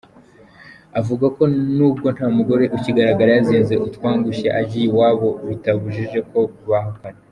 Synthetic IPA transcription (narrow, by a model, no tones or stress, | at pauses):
avuɡako̞nuːbɡo̞n̥haːmuɡo̞ɾe̞ʔuciɡaɾaɡaɾajaziːnze̞ʔutkwaːŋɡuʃḛʔaɟijiwaːβo̞βitaβuʒiʒe̞ko̞uβaɦokane